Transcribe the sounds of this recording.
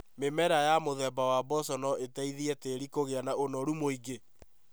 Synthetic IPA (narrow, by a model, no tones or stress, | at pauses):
memɛɾajamoðɛbawabɔsɔnɔʔetaiðiɛteɾikoɣeanaonɔɾumoiɡe